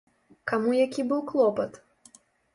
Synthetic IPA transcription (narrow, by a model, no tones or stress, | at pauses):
kamujakʲibɨwklˠɔpɐt̪